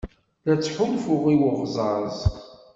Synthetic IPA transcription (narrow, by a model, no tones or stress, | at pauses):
ðæt͡sːħʊmfʊʁiwʊʁzˤɑzˤ